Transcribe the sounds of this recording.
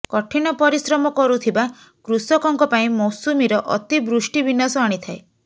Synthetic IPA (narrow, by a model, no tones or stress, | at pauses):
kɔʈʰiɽ̃ɔpɔɾisɾɔmɔkɔɾut̪ʰiba | kɾusɔkɔŋkɔpaĩmɔwsumiɾɔʔɔ̰t̪ibɾusʈibinasɔaɽ̃it̪ʰae